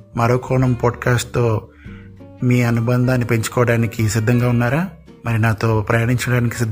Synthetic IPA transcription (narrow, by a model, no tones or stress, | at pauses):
mɐɾoːkʰɔːɳɐmpaːɖkaːsʈ̚t̪o̞ː | miːɐnubɐnd̪ʱaːnːipe̞ɲt͡ʃu̥kɔːɐɽaːnikisid̪ʱːɐŋɡaːunːaːɾaː | mɐɾinaːt̪o̞ːpɾɐjaːɳiɲt͡ʃɐɽaːniki̥sid̪ʱ